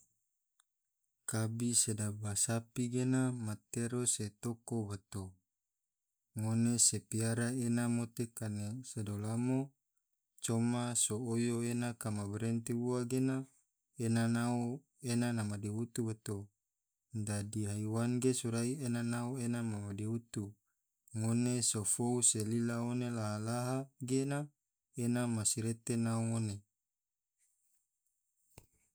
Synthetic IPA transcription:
kabisedabasapiɡenamat̪eɾoset̪okobat̪o | ŋonesepiaɾaenamot̪ekanesedolamo | t͡ʃomasoojoenakamabeɾent̪iuaɡena | enanao | enanamadiɦut̪uwat̪o | dadiɦaiwanɡesuɾaienanaoenamamadeut̪u | ŋonesofouselilaonelaɦalaɦaɡena | enamasiɾet̪enaoŋone

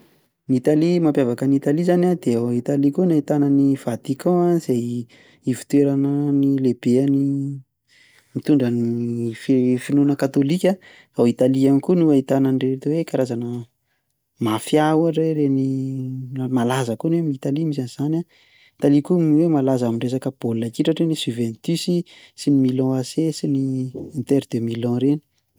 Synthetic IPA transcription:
nit̪alimampjavakənit̪alizanad̪eait̪alikunait̪anənivat̪ikɔ̃aiz̥ej | ivi̥t̪weɾanənileb̥eani | mit̪uɳɖ͡ʐəniffinunəkat̪olikʲa | awit̪aliamikunuait̪anənret̪uwekaɾazanə | mafjawaʈ͡ʂeɾeni | malazəkunwemiit̪alimis̬aniz̥ana | it̪alikumiwemalazamiɳɖ͡ʐes̬akəb̥olnakiʈ͡ʂaʈ͡ʂenisyvɛnt̪ysi | sinimilɔ̃asesiniːnt̪eɾd̪emilɔ̃ɾeni̥

